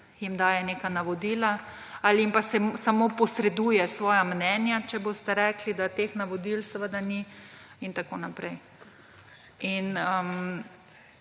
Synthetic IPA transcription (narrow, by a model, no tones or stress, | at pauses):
jimd̪aːjɛneːkanaʋɔd̪iːla | aliimpasɛsamoːpɔsɾɛd̪ujɛsʋɔːjamnɛːnjat͡ʃɛbost̪ɛɾɛklid̪at̪eːxnaʋɔd̪ilsɛʋəd̪ani | int̪akoːnapɾɛj | inəm